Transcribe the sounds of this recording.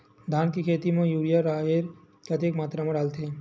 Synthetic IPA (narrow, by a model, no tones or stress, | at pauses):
d̪ʱaːnkikʰeːt̪imẽjuːɽijaɾaːɦeɾ | kɐt̪ʰeːkmaːt̪ɾamãɖaːlt̪e